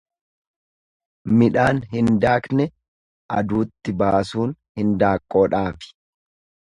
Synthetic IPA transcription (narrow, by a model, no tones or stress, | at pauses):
mɪᶑaːnɦɪnd̪aːknɛ | ʔɐd̪uːt̪ːɪbaːsuːnhɪnd̪aːkʼːoːᶑaːfɪ̥